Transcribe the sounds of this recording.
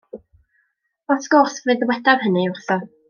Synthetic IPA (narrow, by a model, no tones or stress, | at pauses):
ɔsɡ̥ɔrsvvedəwɛdav̥hənɨʊrθɔ